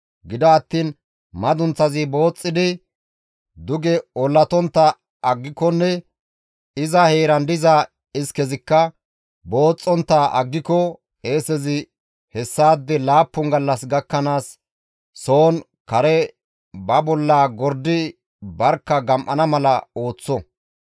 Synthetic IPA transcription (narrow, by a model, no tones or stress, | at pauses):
ɡɪd̪ɐːt̪ːiːn | mɐd̪ʊnt͡sːɐzɪbo̞ːt͡sʼːɪd̪ɪ | d̪ʊɡɛɔlːɐt̪ɔnt̪ːɐ | ɐɡːɪkɔnːɛ | ɪzɐhe̞ːɾɐnd̪ɪza | ɪskɛzɪkːɐ | bo̞ːt͡sʼːɔnt̪ːaʔɐ̰ɡːɪkɔ | e̞ːsɛzɪ | hɛsːaːd̪ːɛlaːpːʊŋɡɐlːɐsɡɐkːɐnaːsː | o̞ːn | kɐɾɛ | bɐbɔlːaːɡɔɾd̪ɪ | bɐɾkːɐɡɐmʔɐnɐmɐlɐo̞ːt͡sːɔ